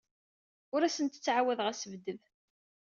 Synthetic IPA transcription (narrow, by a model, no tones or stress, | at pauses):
ʊɾæsənt̪ə̥t͡sːʕawæðʁæsəvd̪əð